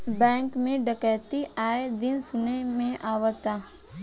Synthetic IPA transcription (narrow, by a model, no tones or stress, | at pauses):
bɛ̃ːŋkmẽɖəkɛːt̪iʔaːed̪ɪnsʊnemẽʔaːʋət̪a